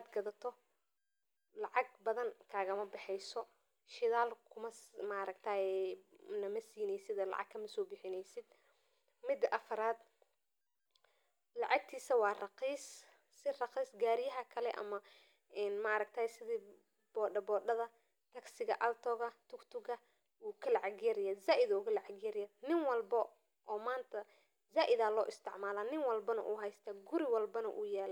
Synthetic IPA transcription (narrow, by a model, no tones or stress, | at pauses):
ad̪ɡɐðɐt̪ʰɔ | lɑʕɑɡ̚bɐðɐŋkʰaːɣɐmɐbɪħɛjsɔ | ʃɪðaːlkʰʊmɐmaɾɐkt̪ʰaːɛnɐmɐsiːnɛjsɪd̪ɛːlɑ̰ʕɑ̰ɡkʰːɐmɐsɔːbɪħɪnɛjsɪd̪̚ | mɪd̪ɐʔɐfɐɾaːd̪ | lɑʕɑk̚t̪ʰiːsɐwɑːrɑqiːs | sɪrɑqiːsɡaːɾɪjɐɦɐkʰɐlɛʔɐ̰mɐ | ɛːnmɐɑɾɐkt̪ʰɐːjsɪðiː | b̥ɔːɖɐbɔːɖɐðɐ | t̪ʰɐɡsɪɣɐ̰ʔɐlt̪ʰɔːɣɐt̪ʰʊkt̪ʰʊɣɐ | uːkʰɐlɐʕɑɡjɛɾɪjaːzaːʔɪðɐʊkɐlɐʕɑɡjɛɾɪjaːd̪nɪŋwɑlbɐ | ʔɔːmaːnt̪ʰɐ | zaːʔɪðaːlɔːʔɪst̪ʰɪʕmaːlaːnɪŋwɑlbɐnɐ̰ʔuːɦɛjst̪ʰɐɡʊɾɪwɑlbɐnɐ̰ʔṵːjɛːl